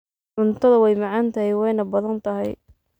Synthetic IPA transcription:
ʕʊnt̪ʰɐðɐwɛjmɑʕɑːnt̪ʰɐɦɪjwɛjnɐbɐðɐnt̪ʰɐɦɛj

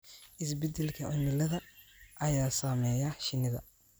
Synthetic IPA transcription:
ʔɪs̬bɛd̪ɛlkʰɐʔʊmɪlɐðɐ | ʔɐjaːsɐːmɛːjɐʃɪnːɪðɐ̰

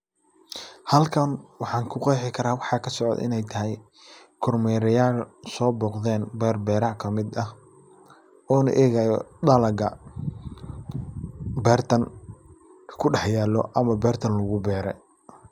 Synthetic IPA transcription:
hɐlkʰɐnwɑħɑːŋkʰʊqɑjħɪkʰɐɾaːwɑħɑːkʰɐsɔʕɔ̰d̪ɪ̰nɛjt̪ʰɐɦɛj | kʰɔrmɛɾɐjaːlsɔːbɔːqðɛːnbɛːrbɛːɾɐʕkʰɐmɪd̪ɐh | ɔːnɐ̰ʔɛːɣajɔɖɐlɐɡɐ | bɛːrt̪ʰɐn | kʰɐ̥kʰʊɖɑħjaːlːɔ̰ʔɐmɐbɛːrt̪ʰɐnlʊɣʊbɛːɾɛ̰

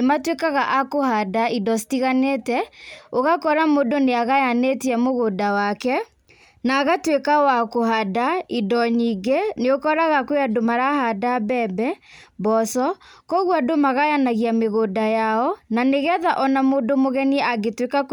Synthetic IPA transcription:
ematwekaɣaʔakohadaidɔstiɣaneːtɛoɣakɔɾamodoneaɣajanetiɛmoɣodawakɛ | naːɣatwekawakohadaidɔɲiɡeneokɔɾaɣakoadomaɾahadabɛbɛbɔsɔkɔɣwadomaɣajanaɣiameɣodajaɔnaneɣɛðaʔɔnamodomoɣɛniaɡetwekak

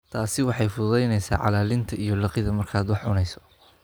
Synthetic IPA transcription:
t̪ʰaːsɪwɑħɑjfʊðɛjnɛjsa̰ːʕɑ̰laːlɪnt̪ʰɐijɞlɑqɪðɐmɐrkʰaːd̪wɑħʕʊnɛjsɔ̥

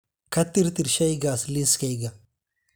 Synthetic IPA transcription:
kɐt̪ːiɾt̪iɾʃɐjɡasliskɐjɡa

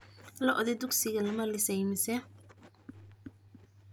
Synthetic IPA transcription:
lɐʔɔðɛd̪ʊɡsɪɣɐlɐmɐlɪsɛjmɪsɛ

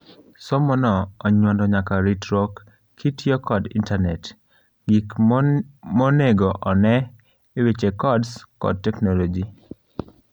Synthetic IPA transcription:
sɔmɔnɔːɲwɔndɔɲakaɾitɾɔk | kʰːitjɔkɔdḭntanɛt | ɡik | mɔneɡɔʔɔnɛ | ewet͡ʃekɔdskɔ̰d̚tɛknɔlod͡ʒi

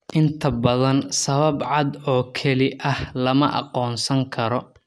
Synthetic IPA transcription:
ʔɪnt̪ʰɐbɐðɐnsɐβɐbʕɑd̪ɔːkʰɐlɪʔɐhlɐmɐʔɑ̰qɔːnsɐŋkʰɐɾɔ

